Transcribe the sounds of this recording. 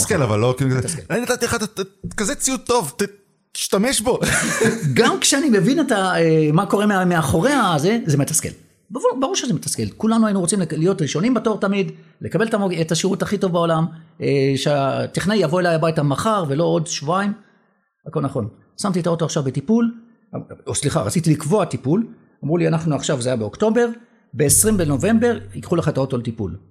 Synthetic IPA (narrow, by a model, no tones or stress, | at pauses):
skelava̰lːokiketeaniad̪at̪ieχat̪akazet͡siut̪ːo̞vt | t̪i̥ʃtameʃbo̞ | ɡamkʃeanime̞vine̞taemako̞ʁemmeaχo̞ʁe̞aze̞ze̞metaskḛl | baʁubaʁuʁʃezemetaske̞lkulanuajinuʁot͡simllijo̞tʁiʃo̞nimbato̞ʁtamid | le̞kabeletamoetaʃiʁuthaχito̞vbao̞lameʃat̪iχnajavo̞e̞lajlabajitamaχaʁve̞lo̞odʃvuaim | ako̞lnaχo̞n | samt̪itao̞to̞aχʃavbetipul | osliχa̰ʁa̰t͡sitilikvo̞atipul | amʁulianaχnuaχʃavzeajabeo̞kto̞be̞ʁ | be̞ːsʁimbeno̞ve̞mbe̞ʁikχulaχaetaotoletipṵl